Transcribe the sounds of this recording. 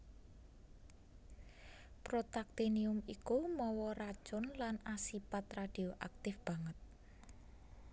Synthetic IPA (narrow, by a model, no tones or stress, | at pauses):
pɾot̪ak̚t̪eniʊmikumɔwɔɾad̥ʒ̥ʊnlanasipat̪rad̥ioʔak̚t̪ɪfb̥a̤ŋət̪̚